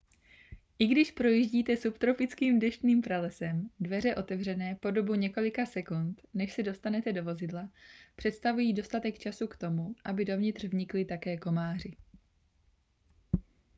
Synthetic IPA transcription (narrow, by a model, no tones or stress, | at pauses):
ʔɪɡdɪʃpɾo̞jiːʒɟiːt̪ɛsupt̪ɾo̞fɪt͡skiːmdɛʃt̪niːmpɾalɛsɛmdvɛr̝ɛʔo̞t̪ɛvr̝ɛnɛːpo̞do̞buɲɛko̞lɪkasɛkunt̪nɛʃsɛdo̞st̪anɛt̪ɛdo̞vo̞zɪdlapr̝̥ɛt̪st̪avujiːdo̞st̪at̪ɛkt͡ʃasukt̪o̞muʔabɪdo̞vɲɪt̪r̝̥vɲɪklɪt̪akɛːko̞maːr̝ɪ